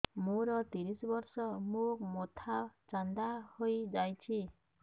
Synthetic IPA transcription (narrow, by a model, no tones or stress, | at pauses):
moɾɔt̪iɾisbɔɾsɔmumot̪ʰat͡ʃand̪ahojd͡ʒajt͡ʃʰi